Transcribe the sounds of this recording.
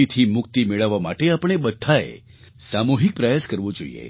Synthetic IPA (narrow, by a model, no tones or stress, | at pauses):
it̪ʰimʊk̚t̪imeɭəʋːama̰ʈeapəɽ̃ebəd̪ʱaḛ | samuɦik̚pɾəjaskəɾʋõd͡ʒoḭjḛ